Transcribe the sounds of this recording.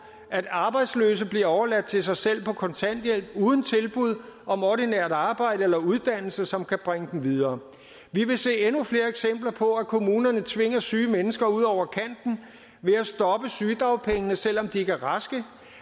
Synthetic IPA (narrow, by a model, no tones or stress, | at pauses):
ʔæd̥ɑ̈ːb̥ɑ̈ɪd̥slø̰ːs̬əb̥liɐɒʊɐlæd̥̚t͡sʰe̝sɑ̈ɪsel̰pʰɒ̽kʰɒ̽nt͡sʰæn̰d̥jel̰b̥̚uːð̞ˠn̩t͡sʰe̝lb̥uð̞ˠɒ̽mɒdineɐ̰ðˠɑ̈ːb̥ɑ̈ɪ̰ɾ̥əelɐuð̞ˠd̥æn̰l̩səsɒ̽mkʰæb̥ʁeŋəd̥m̩ʋið̞ˠɐː | ʋiʋe̝se̝̰ːenufle̝ːɐeɡ̥sem̰b̥lɐpʰɒ̽ækʰo̝muːnɐnət͡sʰʋe̝ŋ̰ɐsyːmenəsɡ̥ɐuð̞̰ˠɒʊ̰ɐkʰæn̰d̥n̩ | ʋe̝æsd̥ɒ̽b̥əsyːd̥ʁɑ̈ʊpʰeŋənəsel̰ɒ̽md̥ie̝ɡ̥æɐʁɑsɡ̥ə